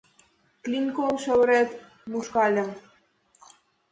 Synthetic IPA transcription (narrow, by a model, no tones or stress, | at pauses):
klʲinkolʃəwɾet̪ | muʃkɑlʲə̆m